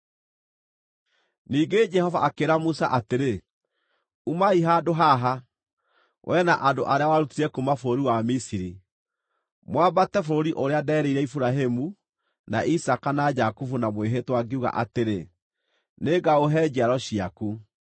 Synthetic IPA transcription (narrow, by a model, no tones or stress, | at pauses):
niːɡed͡ʒɛhɔvaakeɾamusa̰ʔateɾe | umaiɦadoɦaɦa | wʔɛnaʔado̰ʔaɾeawaɾutiɾɛkumafoɾoɾiwamisiɾi | mwabatɛfoɾoɾiʔoɾeadɛːɾeiɾɛifuɾaɦemu | na̰ʔisakanad͡ʒakufunamweɦetwaɡeuɣa̰ʔateɾe | neːɡaoɦɛd͡ʒiaɾɔɕiaku